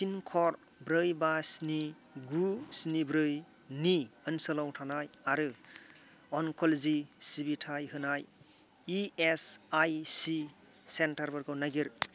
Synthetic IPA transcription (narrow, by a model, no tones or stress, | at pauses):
sinkʰɔɾ | bɾɯjbasni | ɡusnibɾɯj | niɯnsɯlɔwtʰanajaɾɯ | ɔnkʰɔlzisibitʰajɦɯnaj | iesajsi | sentaɾbɯɾɡawnaɡiɾ